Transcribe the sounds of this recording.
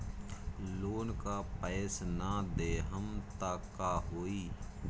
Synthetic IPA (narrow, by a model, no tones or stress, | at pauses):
loːnkaːpɛːsnad̪eːɦəmt̪aːkːaːɦoːiː